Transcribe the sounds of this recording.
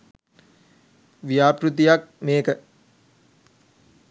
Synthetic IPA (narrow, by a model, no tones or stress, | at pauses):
ʋijaːpɾut̪̬ijak̚meːkə